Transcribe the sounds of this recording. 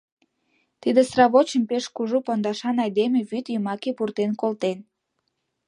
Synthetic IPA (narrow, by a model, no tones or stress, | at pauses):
t̪id̪esrɑβot͡ɕəmpeʃkuʒupɑnd̪ɑʃɑnɑjd̪emeβyt̪jəmɑkepurt̪enkolt̪en